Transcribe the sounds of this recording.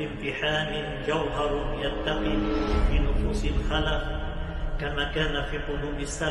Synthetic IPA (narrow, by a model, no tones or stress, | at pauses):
ɪmt̪ɪħaːnɪ | d͡ʒawɦɑɾˤjat̪ːaqiːfiːnʊfuːsɪlxalaq | kamaːkaːnafiːqʊluːbɪsːa